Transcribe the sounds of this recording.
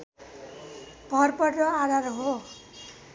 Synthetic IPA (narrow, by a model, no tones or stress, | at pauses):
b̥ʱʌrpʌʈrʌad̪aɾɦo